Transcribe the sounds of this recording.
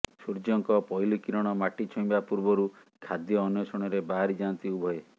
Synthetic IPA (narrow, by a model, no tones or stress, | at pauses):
suɾd͡ʒɔŋkɔpɔjlikiɾɔɽ̃ɔmaʈit͡ʃʰɔj̃bapuɾbɔɾu | kʰad̪jɔːnjɔsɔɽ̃ɔɾebaɦaɾid͡ʒant̪iubʱɔe